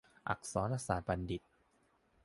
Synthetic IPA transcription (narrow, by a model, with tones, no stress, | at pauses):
ʔa̰˨˩k̚sɔː˨˦nɾa˧saː˨˩t̪̚ba˧ndi˨˩t̪̚